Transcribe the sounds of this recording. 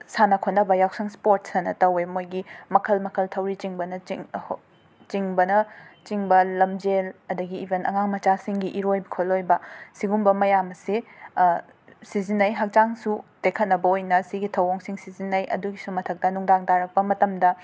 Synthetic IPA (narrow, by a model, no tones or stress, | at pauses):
sanɐkʰot̚nɐbɐjawsɐŋspoɾt̚sɐnɐtɐwemojɡimɐkʰɐlmɐkʰɐltʰɐwɾit͡ʃiŋbɐnɐi | t͡ʃiŋbɐnɐt͡ʃiŋbɐlɐmd͡ʒelɐdɐɡiːbenɐ̰ŋaŋmɐt͡ʃasiŋɡiʔiɾojbikʰolojbɐsiɡumbɐmɐjamɐse | sizinːɐjɦɐk̚t͡ʃaŋsutekʰɐt̚nɐbɐojnɐsiɡitʰɐwoŋsiŋsizinːɐjʔɐ̰duɡisumɐtʰɐk̚tɐnuŋdaŋtaɾɐk̚pɐmɐtɐmdɐ